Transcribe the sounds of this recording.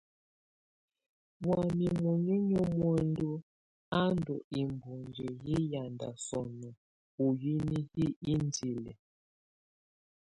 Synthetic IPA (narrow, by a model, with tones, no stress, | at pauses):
bwa˨mi˨mwu˨ɲi˦ɲɔ˦mwɛ˦˨ndu˦ | a˦ndɔ˨i˨mbu˨nd͡ʒe˨ji˦ja˨nda̰˨sɔ˨nɔ˨ | u˨ji˦ni˦hi˦i˦n˦di˨lɛ̰˨